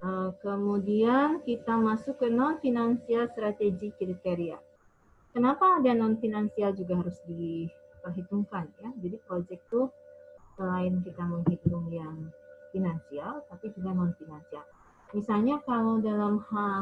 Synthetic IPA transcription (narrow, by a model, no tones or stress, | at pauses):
ʔəkəmudiankit̪amasʊkːənɔnfinansialst̪ɾat̪eɡikɾit̪eɾia | kənapaːdanɔnfinansiald͡ʒuɡaɦaɾʊsdiəɦit̪uŋkanjad͡ʒadipɾod͡ʒɛk̚t̪usəlaɪnkit̪aməŋɦit̪ʊŋjaŋfinansialt̪apid͡ʒuɡanɔnfinansial | misalɲakalowdalamha